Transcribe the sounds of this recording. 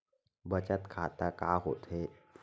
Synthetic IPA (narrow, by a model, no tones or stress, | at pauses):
bət͡ʃət̪kʰaːt̪akaːɦo̰ːt̪ɦe